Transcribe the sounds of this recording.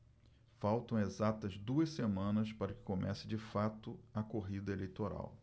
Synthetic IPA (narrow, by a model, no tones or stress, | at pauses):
fawt̪ɐ̃w̃ezat̪ɐzd̪uɐssemɐ̃nɐspaɾɐkɪ̥komʔɛsɪd͡ʒɪfat̪ʊɐkoɦid̪ɐelejt̪oɾa̰w